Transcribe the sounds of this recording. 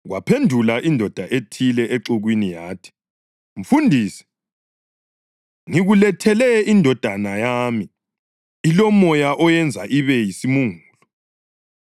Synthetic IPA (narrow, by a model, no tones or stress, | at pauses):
ɣwapʰendʱulaʔindʱɔd̥ʱaʔetʰilɛʔeǁuɣwinijaːtʰi̥ | ɱ̩fundʱiːsɛ̥ | ŋiɣulɛtʰɛlɛindʱɔd̥ʱanajami | ilɔmɔjaʔɔjɛnd͡zʱa̰ʔiβɛjisimuŋuːlɔ